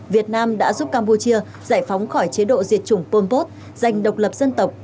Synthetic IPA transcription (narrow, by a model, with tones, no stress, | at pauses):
vi˨˩ət̚naː˧mɗa̰ː˧˥zu˦˥p̚kaː˧mpu˧t͡ɕi˧ə | za̰ː˧˩jfa˨˦wŋ͡mxɔ˧˩jt͡ɕe˨˦ɗo̰˧˨zi˨˩ət̚t͡ɕʊ˧˩ŋ͡mpo˧npo˦˥t̚ | za˨˩jŋ̟ɗə˨˩wk͡p̚lə˨˩p̚zə˧nt̪ə˨˩wk͡p̚